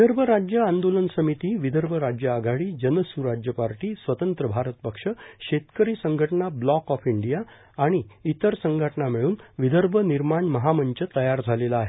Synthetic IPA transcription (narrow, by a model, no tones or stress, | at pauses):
ʋid̪ʱəɾbʱəɾad͡ʑjəand̪olənsəmit̪iːʋid̪ʱəɾbʱəɾad͡ʑjəaɡʱaɭiːd͡ʑənəsuɾad͡ʑjəpaɾʈiːsʋət̪ənt̪ɾəbʱaɾət̪̚pəkʂəɕet̪kəɾiːsəŋɡʱəʈnablɔkɔfiɳɖijaː | ɽ̃iit̪əɾsəŋɡʱəʈəɳamiɭuːnʋid̪ʱəɾbʱəniɾmaɳməɦaməɲt͡ɕət̪əjaɾd͡zʱalelaaːɦe